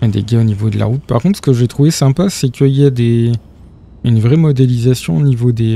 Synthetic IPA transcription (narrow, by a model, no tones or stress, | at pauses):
ɛd̪ḛɡʲaonivod̪əla̰ʁut̪̚paʁkɔ̃t̪χsə̥kəʒɛt̪χuvesɛ̃pasɛkʲʰəiljad̪e | ynvʁɛmɔd̪elizasjɔ̰̃onivod̪e